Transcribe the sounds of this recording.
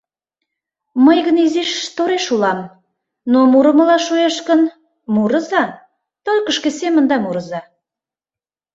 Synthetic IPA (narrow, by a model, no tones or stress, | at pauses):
məjɣəniziʃt̪oɾeʃulɑm | nomuɾəməlɑʃueʃkən | muɾə̆zɑ | t̪olʲkəʃkesemənd̪ɑmuɾə̆zɑ